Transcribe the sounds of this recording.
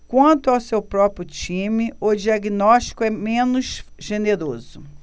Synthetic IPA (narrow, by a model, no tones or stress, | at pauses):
kwɐ̃nt̪ʊawsewpɾɔpɾjʊt͡ʃĩmɪʊd͡ʒiaɡinɔʃt͡ʃi̥kʊɛmẽnʊʃʒeneɾozʊ